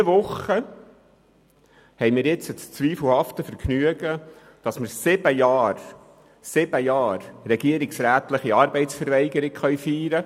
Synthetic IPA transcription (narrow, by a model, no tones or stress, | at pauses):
iəʋʊχə | hɛjmɪːɾjɪt͡sət͡st͡sʋiːfl̩hɑftəfəɾknyəɡə | d̥ɑsməɾsɪb̥əjɑːɾ | sɪb̥əjɑːɾrɛɡ̥iəɾɪksɾæːt̪lɪχiɑːɾbɛɪtsfəɾvɛɪɡəɾɪɡ̥χœɥfiːɾə